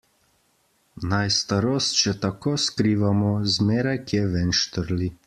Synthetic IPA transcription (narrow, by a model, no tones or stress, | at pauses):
najst̪aɾoːst̪̚t͡ʃɛt̪akoːskɾiːʋamɔzmeːɾajkiɛʋɛnʃt̪əɾli